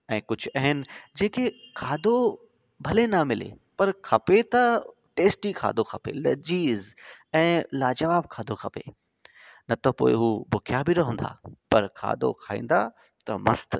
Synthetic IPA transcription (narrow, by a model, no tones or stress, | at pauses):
ɛ̃ːkʊd͡ʑʱʊɐɦɪnɪ̆d͡ʑeːkekʰaːd̪o | bʱɐlenɐmɪlḛpɐɾkʰɐpet̪ɐ | ʈeːsʈikʰa̰ːd̪okʰɐpḛlɐ̰d͡ʑiːzɛ̃ːlaːd͡ʑɐʋaːb̚kʰaːd̪ʱokʰɐpḛ | nɐt̪opo̰ːɪ̰ɦubʊkʰjabɪɾɐɦũn̆d̪a̰ːpɐɾkʰa̰ːd̪o̰kʰaːḭ̃ːn̆d̪a | t̪ɐmɐ̰st̪